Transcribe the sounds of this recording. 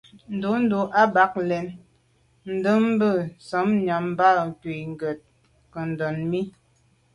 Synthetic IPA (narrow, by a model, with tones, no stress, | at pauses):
n̩˨du˨˦n̩˦du˨ʔa˦ba˦k̚lɛ˨n | n̩˨də˦m̩˦bə˦˨sɔ˨˦mɲa˨m˦ba˦˨ŋ˨ki˨ŋ̩˨ɡə˨t̚ | kə˨n̩˨dɔ˨nmi˦